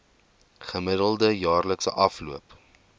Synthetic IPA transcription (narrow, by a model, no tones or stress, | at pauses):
χəmədəlˠdəjɑːrləksəʔɐfluəp